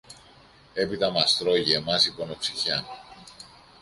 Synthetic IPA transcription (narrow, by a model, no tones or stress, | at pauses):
e̞pit̪ɐmɐst̪ɾo̞ʝiemɐsiponopsiçɐ